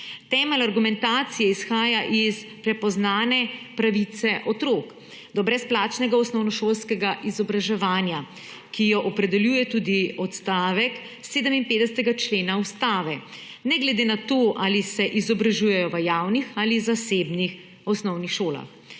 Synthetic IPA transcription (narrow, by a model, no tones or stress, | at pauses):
t̪ɛːmɛlaɾɡumɛnt̪aːt̪sijɛisxaːjaʔispɾɛpɔznaːnɛpɾaʋit̪sɛʔɔt̪ɾoːk | d̪ɔbɾɛsplaːt͡ʃnɛɡaɔsnɔwnɔʃoːlskɛɡaʔizɔbɾaʒɛʋaːnja | kijɔʔɔpɾɛd̪ɛljuːjɛt̪uːd̪iɔt̪st̪aːʋɛk | seːd̪əminpeːd̪ɛsɛt̪ɛɡat͡ʃleːnaust̪aːʋɛ | nɛɡlɛd̪enat̪oʔalisɛʔizɔbɾaʒuːjɛjɔʋəjaːwnixalizaseːbnix | ɔsnɔwnixʃoːla̰x